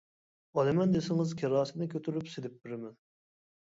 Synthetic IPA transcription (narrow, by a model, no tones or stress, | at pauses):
ɑlˠɪmɛnd̪esɪŋɪzkʲʰeɾɑːsɨnɨkʲʰøt̪ʰyɾypsed̪ɪp̚bɾɪmɛn